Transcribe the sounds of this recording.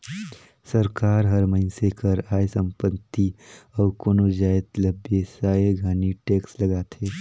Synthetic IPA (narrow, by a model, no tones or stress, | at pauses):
səɾkaːɾɦɐɾməɦɪnsekəɾaːjsə̃mpət̪ːiɔːkoːnod͡ʒaːet̪ləbjesaːeɡʱaːniʈeːkslɐɡaːt̪ʰeː